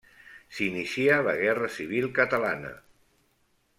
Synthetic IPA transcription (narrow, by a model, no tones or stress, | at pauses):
sinisialə̰ɣɛrəsiβ̞ilˠkət̪əlanə̰